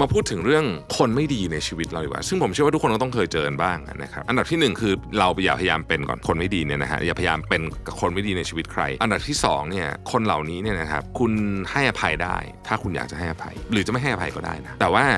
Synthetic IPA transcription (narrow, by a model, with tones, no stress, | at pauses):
ma˧pʰuː˥˩t̪ʰːɯ˨˩˦ŋɾɯ˥˩əŋkʰo˧nma˥˩jdiː˧na˧jt͡ɕʰiː˧wi˦˥t̪̚ɾa˧wjiː˨˩wa̰ː˧˩sɯ˥˩ŋpʰo˩˦mt͡ɕwaː˥˩˦kɔ˥˩t̪ɔ˥˩ŋkʰɤː˧jt͡ɕɤː˧nbaː˥˩ŋʔna̰˦˥kʰa˦˥p̚ʔa˧nda˨˩p̪̚ʰi˥˩nɯ˨˩ŋkʰɯː˧ɾa˧wpa˧jaː˨˩pʰja˧jaː˧mpe˧nkɔ̰ː˨˩nkʰo˧nma˥˩jdiː˧ni˥˩ɐna̰˦˥kʰa̰˦˥jaː˨˩pʰjajaː˧mpe˧nka˨˩kʰo˧nma˥˩jdiː˧na˧jt͡ɕʰiː˧wi˦˥t̪̚kʰɾa̰˧jʔa˧nda˨˩t̪ʰiː˥˩sɔ̰ː˩˦ŋni˥˩ɐkʰo˧nla̰˨˩wniː˦˥ni˥˩əna˦kʰa̰˦˥p̚kʰu˧nha˥˩jʔa˧pʰa˧jda̰ː˥˩jt̪ʰaː˥˩kʰu˧nja̰ː˨˩k̚t͡ɕa˨˩ɦa˥˩jʔa˨˧pʰa̰˧jɾɯː˩˦a˨˩ma˥˩jɦa˥˩jʔa˧pʰa˧jkɔː˥˩da̰ː˥˩jna˦˥t̪ɛː˨˩waː˥˩